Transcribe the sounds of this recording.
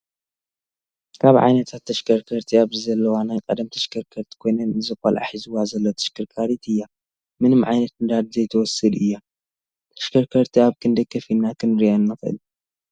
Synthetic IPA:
kʰaβʕa̰jnɐt̪ʰat̪ʰːɐʃkʰɐɾkʰɐɾt̪ʰiaβɨzɐlːɐwanajkʼɐd̪ɐmt̪ʰɐ̥ʃkʰɐɾkʰɐɾt̪ʰi̥kʰo̞jnɐnɨzɨxɐ̰lʕa̰ħizɨwazɐlːot̪ʰɐ̥ʃkʰɨɾkʰaɾit̪ʰɨjːa | mɨnɨmʕajnɐt̪nɨd̪ad̪zɐjt̪ʰɐwɔsːɨd̪ʔɨjːa | t̪ʰɐ̥ʃkʰɐɾkʰɐɾt̪ʰiaβkʰɨnd̪ɐkʰːɐfinːakʰɨnɾijanːɨxɨʔɨ̰l

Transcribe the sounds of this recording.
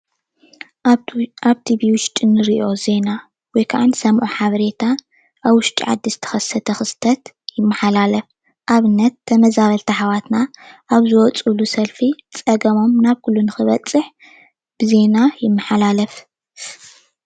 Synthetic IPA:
ʔaβt̪ʰibiwʊʃt̪ʼɨnːɨɾiʔʔo̞ze̞na | wɔjkʰaʕansɐmʔuħaβɐɾe̞t̪ʰa | ʔaβwʊʃt̪ʼḭʕa̰d̪ːizɨ̥t̪ʰɐ̥xɐsɐt̪ʰɐxɨst̪ʰɐt̪jɪmːɐħalalɐf | ʔaβɨnːɐt̪ʰːɐmɐzaβɐlt̪ʰɐħaβat̪naʔːβzɨwɔt͡sʼulusɐlfit͡sʼɐɡɐmo̞mnaβkʰulːunɨxɨβɐt͡sʼːɨħ | b̥ɨze̞najɪmːɐħalalɐf

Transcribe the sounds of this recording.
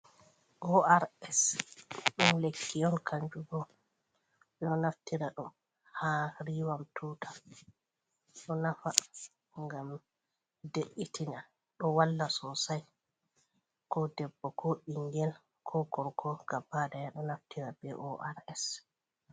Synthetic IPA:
ʔɔaɾɛs | ɗumlekʰːiɔnkʰaɲd͡ʒuɡɔ | ɓɛɗɔnaftiɾaɗum | haɾiːwamtʰutʰḁ | ɗɔnafa | ŋɡam | deʔːitʰina | ɗɔwalːasɔsaj | kɔdɛbːɔkʰɔɓiŋɡɛl | kʰɔɡɔɾkʰɔɡ̥abadajaɗɔnaftiɾabɛʔɔʔaɾɛs

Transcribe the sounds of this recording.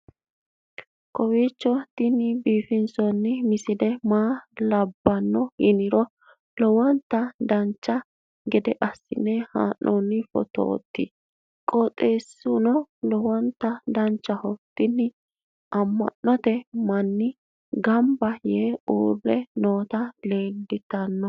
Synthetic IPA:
kɔwiːt͡ʃːɔt̪ɪnɪbiːfɪnsɔnːɪmɪsɪd̪ɛmaːlɐbːɐnːɔhɪnɪɾɔ | lɔwɐnt̪ːɐd̪ɐnt͡ʃːɐ | ɡɛd̪ɛʔɐsːɪ̰nɛha̰ːʔːɔnːɪfɔ̰t̪o̰ːt̪ːi | kʼɔt̪ʼeːsʊnɔlɔwɐnt̪ːɐd̪ɐnt͡ʃːɐhɔt̪ɪnːɪ | ʔɐmːɐ̰nːɔt̪ɛmɐnːɪ | ɡɐmbɐjeːṵːrːɛnoːt̪ɐle̞ːldɪt̪ɐnːɔ

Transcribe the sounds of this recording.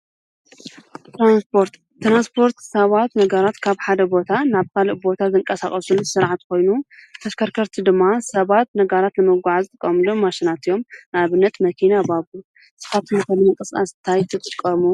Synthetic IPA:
t̪ʰɾanspʰo̞ɾt̪ | t̪ːɾanspʰo̞ɾt̪sɐβat̪nɐɡɐɾat̪kʰaβħad̪ɐbo̞t̪ʰanaβkʰaliʔbo̞t̪ʰazɨŋkʼɐsaχʼɐsunsɨɾʕat̪ko̞jnut̪ʰɐskʰɐɾkʰɐɾt̪ʰid̪ɨmːasɐβat̪nɐɡɐɾat̪nɨmɨɡʷʕazɨt̪ʼɨkʼːɐmlumaʃinat̪ʰijo̞mnaβɨnːɐt̪mɐkʰinabaβu | sɨ̥fat̪ʰɨmɨkʰɐlɨnɐkʼɐsa̰st̪ʰajt̪ʰɨt̪ʼɨkʼːɐmu

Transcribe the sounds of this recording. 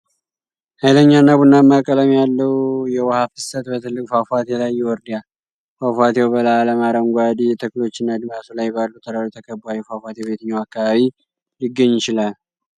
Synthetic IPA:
hajləɲːanːaβunːamːakʼələmjalːəwjɛwɔhafɨ̥sət̪bət̪ʰɨlːɨkʼfafat̪jɛlajːɛwɔɾd̪jal | fafʷat̪jɛwbəlaːləmaɾəmɡʷad̪iɛt̪ʰəkɨlo̞t͡ʃːɪnːad̪ɨmasolajːbalːut̪ʰəɾaɾut̪ʰəkʰəbuajɛfafat̪jɛβe̞t̪ʰɨɲːawakːaβaβi | lɪɡːəɲːɪt͡ʃɪlal

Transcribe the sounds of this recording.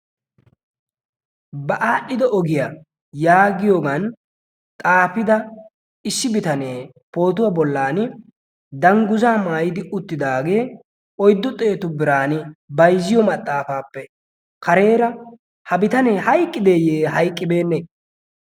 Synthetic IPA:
bɐʔaːɗːɪd̪ɛʔɔɡɪja | jaːɡɪjoːɡan | t̪ʼaːfɪd̪ɐ | ɪsːɪbɪt̪ɐne̞ː | po̞ːt̪̬ʊwaːbɔlːaːnɪ | d̪ɐŋɡʊzaːmaːjɪd̪ɪʔʊt̪ːɪd̪aːɡe̞ː | ɔjd̪ːɔt̪ʼe̞ːt̪ʊbɪɾaːnɪbɐjzɪjɔmɐt̪ʼːaːfaːpːɛ | kɐɾe̞ːɾɐ | hɐbɪt̪ɐneːhɐjkʼːɪd̪e̞ːjeːɦɐjkʼːɪbe̞ːnːɛ

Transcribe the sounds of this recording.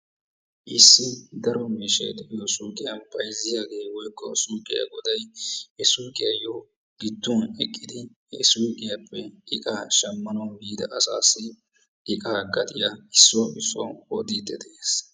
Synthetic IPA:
ʔɪsːɪd̪ɐɾɔmiːʃɐjt̪ɛʔɪjɔsuːkʼɪjɐnpɐjzɪjaːɡe̞ːwɔjkːɔsuːkʼɪja̰ɡɔd̪ɐjhɛsuːkʼɪjɐjoː | ɡ̥ɪd̪ːuːnɛkʼːɪd̪ɪ | ɛ̰suːkʼɪjɐpʰːɛɪkʼaːʃɐmːɐnɐɡiːd̪ɐʔɐsa̰ːsɪ | ʔɪkʼaːɡɐt̪ʼɪjaɪsːɔʔɪsːɔ̰ːɔd̪iːd̪ɛd̪eːs

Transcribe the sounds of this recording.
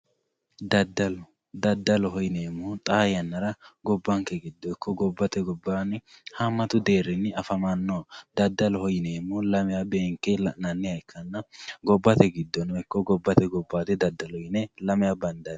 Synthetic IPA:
d̪ɐd̪ɐlɔ | d̪ɐd̪ːɐlɔɦɔjɪneːmːɔt̪ʼɐjɐnːɐɾɐɡɔbːɐŋkːɛɡɪd̪ːɔɛkʰːɔɡɔbːɐt̪ɛɡɔbːaːnɪhɐmːɐt̪ʊd̪eːɾɪnːɪɐfɐmɐnːod̪ɐd̪ːɐlɔhɔjɪneːmːɔlɐmɪjabe̞ːŋkːɛnɐnːɪɐjkʰːɐnːɐɡɔbːɐt̪ɛɡɪd̪ːɔnɛkːɔɡɔbːɐt̪ɛɡɔbːaːt̪ɛd̪ɐd̪ːɐlɔjɪnɛlɐmɪjabɐnd̪ɐn

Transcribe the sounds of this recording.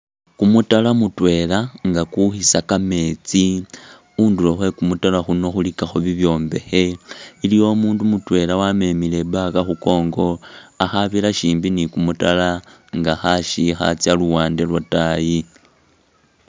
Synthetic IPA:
kumutalamutwe̞laŋɡakuxisakame̞t͡si | unduloxwe̞kumutalaxuno̞xulikaxoβiβjo̞ːmbe̞̰xe̞ilijo̞muːndumutwe̞lawame̞mile̞bakaxuko̞ːŋɡo̞axaβilaʃiːmbinikumutala | ŋɡaxaʃixa̰t͡sjaluwaːndelwataji

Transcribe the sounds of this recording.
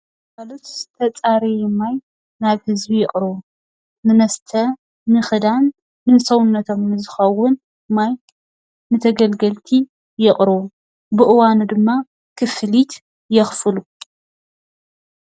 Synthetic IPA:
mɐlut̪zɨt̪ʰɐt͡sʼaɾejɛmaj | naβhɨzbijɪχʼɾɨβu | nɨnɐst̪ʰɐ | nɨxɨd̪anː | ɨsɐwʊnːɐt̪ʰo̞mnɨzɨxɐwːʊn | maj | nɨt̪ʰɐɡɐlɡɐlt̪ʰi | jɪχʼɾɨwu | bɨʔɨwanud̪ɨmːa | kʰɨfɨlit̪ | jɛxfɨlu

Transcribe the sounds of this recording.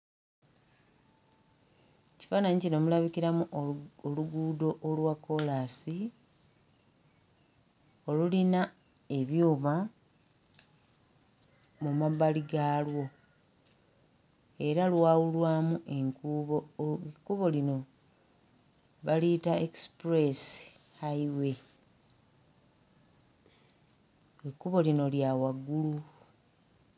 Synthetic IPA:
eci̥faːnaɲicinomulaβiciɾamuoluɡuːdo̞ʔolwakːo̞laːsi | o̞lulina | e̞βjuːβa | mumaβaliɡaːlwo̞ | e̞ɾalwaːwulwaːmuʔe̞ŋkuβokːuβo̞lino̞ | βalitaekspɾe̞s | haiwe̞ | ekːuβo̞lino̞ljawaɡulu

